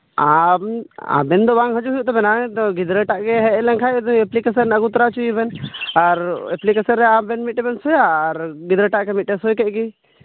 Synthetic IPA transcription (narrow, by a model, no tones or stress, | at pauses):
a | a̰bɛnd̪ɔbaŋɦəd͡ʒuɦujuʔt̪ɔbɛnat̪ɔɡid̪ɾɛʈaʔkɛɦɛlɛnkʰajɛd̪ɛplikesənəɡut̪ɾat͡ʃuibɛnaɾɛ̰plikesənɾɛabɛnmiʈɛbɛnsɔjaɾɡid̪ɾɛʈaʔkɛmiʈɛsɔjkɛʔki